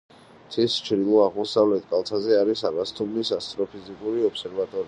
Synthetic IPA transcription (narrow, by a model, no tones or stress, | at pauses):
t̪ʰist͡ʃʰɾilˠɔaʁmɔsavlɛt̪ʰkʼalˠt̪ʰazɛaɾisaɡast̪ʰʼumnisast̪ʼɾɔpʰizikʼuɾiɔpsɛɾvat̪ʼɔɾi